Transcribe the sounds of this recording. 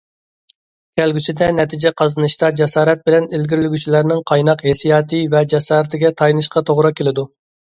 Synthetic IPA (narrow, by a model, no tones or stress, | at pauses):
kʲʰælɡʲysɪd̪ɛnɛt̪ʰid͡ʒɛqʰɑzɨnɨʃt̪ɑd͡ʒɛsɑːɾɛt̪̚bɪlɛnelɡʲiɾɪlɪɡʲyt͡ʃʰilæɾnɪŋqʰɑjnɑqɦesijɑːt̪ʰɨvɛd͡ʒɛsɑːɾɪt̪ɪɡʲɛt̪ʰɑjnɨʃqɑt̪ʰoʁɾɑkʲʰelɪd̪u